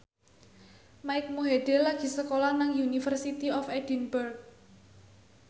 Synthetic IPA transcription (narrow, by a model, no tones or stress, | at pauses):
maɪk̚muɦed̥elaɡ̥i̤səkolanaŋjunifərsit̪iɔfɛd̥inbərk̚